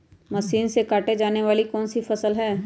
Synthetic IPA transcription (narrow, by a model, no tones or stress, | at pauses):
mɐʃiːnsekaːʈed͡ʒaːneʋaːlikɔːnsifɐsəlɦɛː